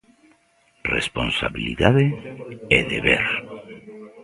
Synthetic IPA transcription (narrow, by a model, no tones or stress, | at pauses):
responsaβiliðaðeɛðeβeɾ